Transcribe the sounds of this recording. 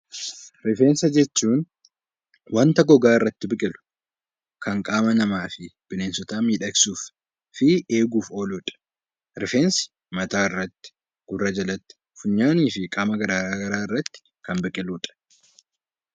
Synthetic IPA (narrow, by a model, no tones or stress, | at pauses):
ɾɪfe̞ːnsɐd͡ʒɛt͡ʃːuːn | wɐnt̪ɐɡɔɡaːɪrːɐt̪ːɪbɪkʼɪlʊ̥ | kʰɐŋkʼaːmɐnɐmaːfɪb̥ɪneːnsɔt̪aːmiːᶑɐksuːf | fɪe̞ːɡuːfoːluːᶑɐ̥ | ɾɪfe̞ːnsɪ̥ | mɐt̪aːɪrːɐt̪ːɪ̥ | ɡ̥ʊrːɐd͡ʒɐlɐt̪ːɪ̥ | fʊɲːaːniːfɪkʼaːmɐɡɐɾaːɾaːɡɐɾaːɪrːɐt̪ːɪ̥ | kɐnbɪkʼɪluːᶑʼɐ̥